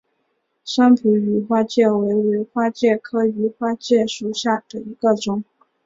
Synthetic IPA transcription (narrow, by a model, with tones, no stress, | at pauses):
ʂa˥ŋpʰi˧˥y˧˥xwa˥t͡ɕjɛ˥˩we˧˥ɪɛ˧˥xwa˥t͡ɕjɛ˥˩kʰɤ˥y˧˥xwa˥t͡ɕjɛ˥˩ʂu˨˩ɕja˥˩d̪̥ə˩i˧˥ɡə˧ʈ͡ʂʊ˨˩˦ŋ